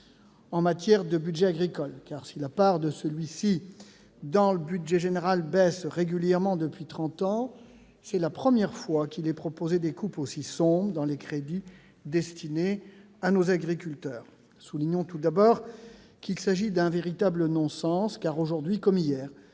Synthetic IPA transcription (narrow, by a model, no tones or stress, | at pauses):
ɑ̃mat̪jɛʁd̪əbyd̪ʒɛaɡʁikɔlkaʁsilapaʁd̪əsəlɥisi | d̪ɑ̃ləbyd̪ʒɛʒeneʁalbɛsʁeɡʲyljɛʁmɑ̃d̪əpɥit̪χɑ̃t̪ɑ̃ | sɛlapχəmjɛʁfwakilɛpχɔpozed̪ekuposisɔ̃bʁəd̪ɑ̃lekχed̪i | d̪ɛst̪ʰine | anozaɡʁikʲylt̪œːʁ | suliɲɔ̃t̪ud̪abɔːʁ | kilsaʒid̪ɛ̃veʁit̪ablənɔ̃sɑ̃skaʁoʒuʁd̪ɥikɔmijɛːʁ